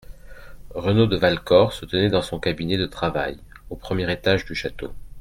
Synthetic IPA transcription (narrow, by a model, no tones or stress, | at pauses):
ʁənod̪əvalkɔʁsət̪ənɛd̪ɑ̃sɔ̃kabinɛd̪ət̪χava̰j | opχəmjɛʁet̪aʒd̪yʃat̪o̰